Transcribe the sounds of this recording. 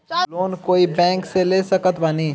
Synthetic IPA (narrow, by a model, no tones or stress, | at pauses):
loːnkoːibɛ̃ːŋkseleːsəkət̪ʋaniː